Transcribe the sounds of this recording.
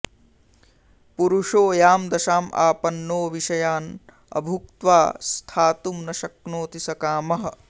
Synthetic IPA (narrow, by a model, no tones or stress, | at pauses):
puɾuʂoːjaːmd̪ɐʃaːmʔa̰ːpɐnːoːʋiʂɐjaːn | ɐ̰bʱuk̚t̪ʋaːst̪ʰaːt̪umnɐʃɐknoːt̪isɐkaːmɐɦɐ̆